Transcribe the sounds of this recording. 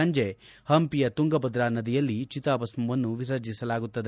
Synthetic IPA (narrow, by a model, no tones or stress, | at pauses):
ɐɲd͡ʒe | hɐmpijɐt̪uŋɡɐbɐd̪ɾaːnɐd̪ijɐlːit͡ʃit̪aːbɐsmɐʋɐnːuʋis̬ɐd͡ʒisɐlaːɡut̪ːɐd̪e